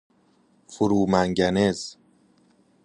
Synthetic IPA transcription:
fuɾuːmæŋɟænez

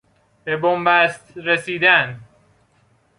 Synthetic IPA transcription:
bebombæst̪ɾesiːd̪æn

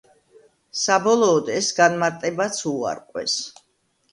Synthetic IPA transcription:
sabɔlˠɔːd̪ɛsɡanmaɾt̪ʼɛbat̪sʰua̰ɾqʼwɛ̰s

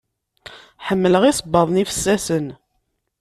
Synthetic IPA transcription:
ħəmːələʁisˤbːɑðˤnifə̥sːæsən

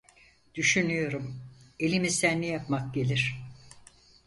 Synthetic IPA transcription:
d̪̥yʃynyjo̞ɾume̞lʲimizd̪ænːɛjapmak̚ɟelʲiɾ̥

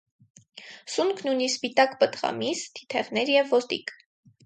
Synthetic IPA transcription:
suŋkʰnujnispit̪ɑkbət̪ʁɑ̰misd̪ʰi̥t̪ʰɛʁnɛɾjɛvːɔst̪ḭk

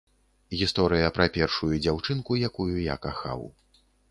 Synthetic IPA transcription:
ɣʲist̪ɔɾɨjɐpɾɐpʲɛrʂujud͡zʲawt͡ʂɨnkujakujuja̰kaxa̰w

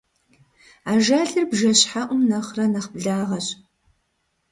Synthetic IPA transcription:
aːʒaːɮɨrbʒɐɕħaʔʷʊmnɐχrɐnɐχbɮaːʁɐɕʼ

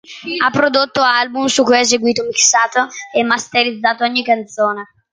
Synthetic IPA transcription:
apːɾod̪ot̪ːoalbumsukːujas̬eɡwiːt̪omiksaːt̪oɛmːast̪eɾid̪zːaːt̪oɔɲːikːant̪soːne

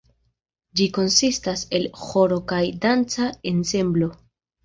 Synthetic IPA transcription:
d͡ʒiko̞nsistase̞lxo̞ɾo̞kajdant͡sae̞nse̞mblo̞

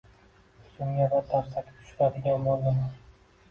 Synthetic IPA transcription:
sʊŋjʲavat̪ʰaɾsakʲɪ̥p̚t̪ʰʊ̥ʃɾad̪ɪɡʲanbolˠd̪ɪma

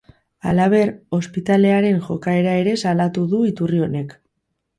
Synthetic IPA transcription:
alaβ̞e̞ɾo̞spit̪ale̞aɾe̞nʝo̞kae̞ɾae̞ɾe̞salat̪uðuit̪urio̞ne̞k

